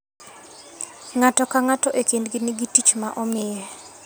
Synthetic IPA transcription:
ŋatɔkaŋatɔʔekindɡɪniɡitit͡ʃmaʔɔmɪjɛ

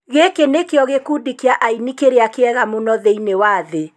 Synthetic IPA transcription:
ɣekenekeɔɣekudikeaʔainikeɾeakeɛɣamonɔðeinewaːðe

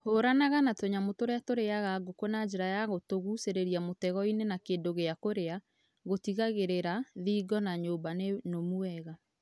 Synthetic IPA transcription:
hoɾanaɣanatoɲamotoɾeatoɾeaɣaɡokonad͡ʒeɾajaɣotoɣuseɾeɾiamotɛɣɔinenakeːndoɣeakoɾea | ɣotiɣaɣeɾeɾaðiːɡɔnaɲoːmbanenomuɛɣa

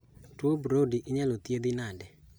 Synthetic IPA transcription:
twobɾodiʔɪɲɛlot̪jed̪ɪnadɛ

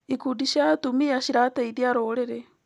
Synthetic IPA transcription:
ikudiʃatumiaʃiɾataidiaɾoɾeɾɛ

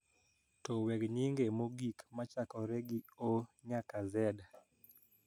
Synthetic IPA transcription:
tɔwɛɡɲiŋɡemoɡikmat͡ʃakɔɾɛɡioɲakazɛda

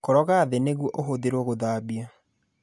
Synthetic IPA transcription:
koɾɔɣaðeneɣuɔʔoɦoðeɾɔɣoðaːbia

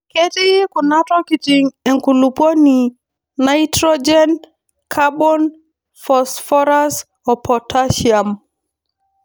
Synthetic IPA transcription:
kɛtijkunatɔkitiŋɛŋkulupɔni | naitɾɔd͡ʒɛn | kʰabɔn | fɔsfɔɾas | ɔpʰɔtʰaʃiam

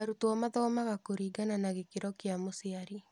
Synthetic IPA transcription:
aɾutoɔmaðɔːmaɣakoɾiːɡananaɣekeɾɔkeamoseaɾi

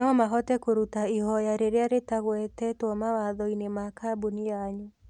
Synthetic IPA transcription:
ɔmaɦɔtɛkoɾutaihɔjaɾeɾeaɾetaɣwɛtɛtomawaðɔinemakabunijaɲu

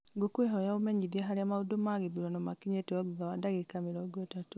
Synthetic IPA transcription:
ɡokweɦɔjaomɛɲiðiaɦaɾeamaudomaɣiðuɾanɔmakiɲetewaɣuðawadaɣekamiɾɔɡotatu

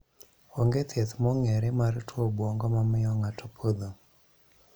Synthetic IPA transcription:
oŋɡet̪ɛt̪mɔŋɛɾɛmartʰwobwoŋɡɔmamɪjɔŋatʰopʰod̪o

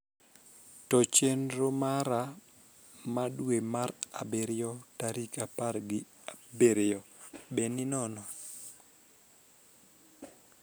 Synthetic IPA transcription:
tɔt͡ʃenɾomaɾa | madwemaɾa̰beɾɪjɔtaɾikapaɾɡɪ | abeɾjɔbeninɔnɔ

